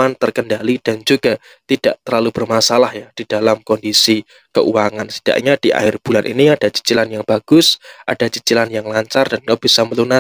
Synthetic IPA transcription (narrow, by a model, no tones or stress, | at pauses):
ant̪ərkəndalid̥and͡ʒuɡa | t̪id̥aʔt̪ərlalub̥ərmasalahjad̥id̥alamkɔndisi | kə̰ʔṵwaŋansi̥d̥a̰ʔɲad̥iʔa̰hɪrb̥ulanʔḭniad̥at͡ʃi̥t͡ʃilanjaŋb̥aɡ̥ʊsʔa̰d̥at͡ʃit͡ʃilanjaŋlaɲt͡ʃard̥anɡab̥isaməluna